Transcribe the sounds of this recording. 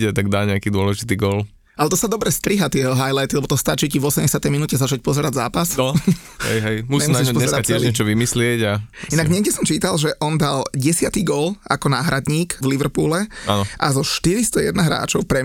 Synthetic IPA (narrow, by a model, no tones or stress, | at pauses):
ɛt̪aɡd̪aːɲɛakiːd̪ʊɔlɛʒit̪iːɡɔl | alɛt̪ɔsad̪ɔbɾɛst̪ɾiɦat̪ɪɛɦɔɦajlajt̪ilɛbɔt̪ɔst̪at͡ʃicivɔsɛmɲɟɛsɪat̪ɛjminuːcɛzat͡ʃac̚pɔzɛɾaɟzaːpas | ɦɛ̰jɦɛjmusiɲɛmunsaiɲpɔɲɛzɛsɾakaɪɛʒɲɛt͡ʃɔʋimislɪɛɟainaɡɲɛɡɟɛsɔmt͡ʃiːt̪alʒɛʔɔnd̪alɟɛsɪat̪iɡɔla̰kɔnaːɦɾad̪ɲiːkvliʋr̩ɾpuːlɛa̰nɔʔa̰zɔʃt̪iɾist̪ɔjɛ̰d̪naɦɾa̰ːt͡ʃɔʊpɾɛ